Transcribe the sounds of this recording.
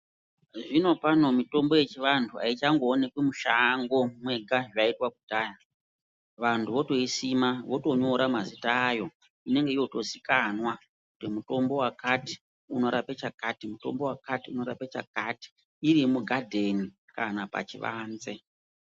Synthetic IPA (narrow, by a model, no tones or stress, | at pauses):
ʐino̞pano̞mito̞mbo̞je̞t͡ʃiʋantʰua̰it͡ʃaŋɡoːne̞kwemuʃaŋɡo̞mwe̞ɡʱaʐaitwak̚utaːja | ʋantʰuʋo̞to̞isimaʋo̞to̞ɲo̞ɾamazitaːjo̞ | ine̞ŋɡe̞ijo̞to̞sikanwa | kutimuto̞mbo̞wakati̥ | uno̞ɾape̞t͡ʃakatimuto̞̰mbo̞wakatiuno̞ɾa̰pet͡ʃa̰kati̥ː | ɾimuɡʱadʱe̞ni | kanapa̰t͡ʃiʋa̰ːnze̞